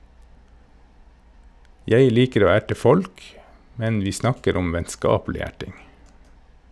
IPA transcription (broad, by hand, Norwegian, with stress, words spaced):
ˈjeɪ ˈliːkəɾ ˈoː ˈæʈə ˈfɔlk ˈmɛn ˈʋiː ˈsnɑkəɾ ˈʊm ʋɛnˈskɑːpl̩ɪ ˈæʈɪŋ